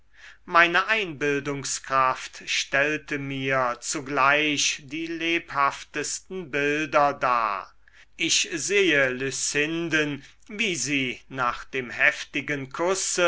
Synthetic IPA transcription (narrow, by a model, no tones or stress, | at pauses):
maɪnəʔaɪnbɪldʊŋskʁ̥aftʃtɛltəmiːɐt͡suɡlaɪʃdiːleːphaftəstn̩bɪldɐda̰ː | ʔɪçzeːəlysɪndən | viːziːnaːχd̥eːmhɛftɪɡənkʰʊsə